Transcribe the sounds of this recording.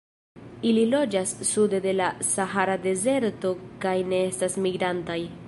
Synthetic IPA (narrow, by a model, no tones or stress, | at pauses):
ililo̞d͡ʒasːude̞de̞lasaɦaɾade̞ze̞ɾto̞kajne̞e̞stasmiɡɾantaj